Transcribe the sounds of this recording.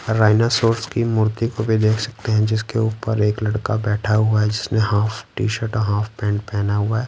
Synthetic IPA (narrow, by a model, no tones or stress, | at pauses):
ɾːaːɪnasoːɾskimʊɾt̪ikobʱid̪eːkʰsɐ̥k̚t̪eɦɛ̃d͡ʒɪskeuːpəɾeːklɐɽkabɛːʈʰaɦʊaɦɛd͡ʒɪsneɦaːfʰʈiːʃəɾʈɔɦaːfʰpɛ̃ːɳʈ̚pɛːnaɦʊaɦɛː